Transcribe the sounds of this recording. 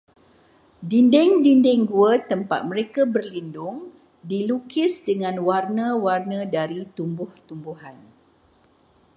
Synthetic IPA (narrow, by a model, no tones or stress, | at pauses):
dindɛŋdindɛŋɡuət̪əmpa̰t̪̚mə̃ɾekabərlindʊŋ | dilukɪsdəŋãnwarnə̃warnə̃daɾit̪umbʊht̪umbuɦan